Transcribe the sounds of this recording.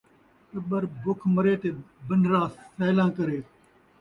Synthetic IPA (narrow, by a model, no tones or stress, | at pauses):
t̪əɓəɾbʊkʰməɾeːt̪eːbəɳɖɾãːsɛːlãːkəɾeː